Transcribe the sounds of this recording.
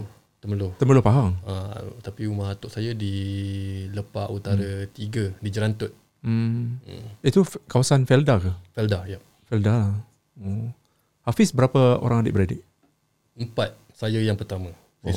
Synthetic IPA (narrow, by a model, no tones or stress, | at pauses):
t̪əməlʊht̪əməlʊpaɦaŋa̰t̪apiumahat̪ʊʔsajadi | ləpaʔut̪aɾət̪iɡədid͡ʒəɾant̪ʊt̪̚ | m̩əit̪ukawasanfɛldakəfɛldajaʔ | fɛldala | o | hafɪsbəɾapəo̰ɾaŋadɪ̰ʔ̚bəɾadɪ̰ʔ | əmpat̪̚ | sajajaŋpərt̪amə̃